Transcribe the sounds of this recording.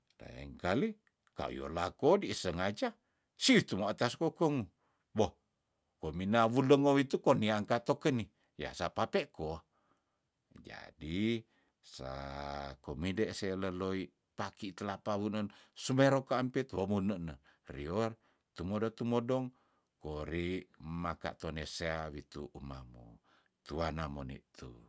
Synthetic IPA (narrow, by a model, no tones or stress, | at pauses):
da̰jə̰ŋkali | ka̰ṵjo̰lakodisəŋad͡ʒa | siut̪umaat̪askokoŋu | boh | kominawuləŋowit̪ukoniaŋkat̪okəni | ja̰sapapeʔko | d͡ʒa̰di | sa̰komideʔseləloi | pakit̪əlapawunənsumeɾokaːmpit̪womunəʔnə | rior | t̪umodot̪umodɔŋ | koɾimaka̰ʔt̪oneseawit̪uʔuma̰mṵ | t̪uanamonḭʔt̪ʰṵ